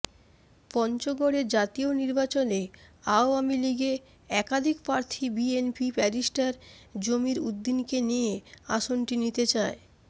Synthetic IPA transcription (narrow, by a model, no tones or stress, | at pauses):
pɔnt͡ɕoɡoɽed͡ʑat̪ioniɾbat͡ɕoneaoamiliɡe | ɛkad̪ʱikpɾaɾt̪ʰibienpipɛɾiʃʈaɾd͡ʑomiɾud̪ːinkenijea̰ʃonʈinit̪et͡ɕae